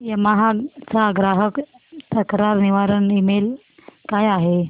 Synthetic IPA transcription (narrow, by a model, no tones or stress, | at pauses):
jamaɦat͡saːɡɾaɦək | t̪əkɾaɾniʋaɾənimel | kajaɦe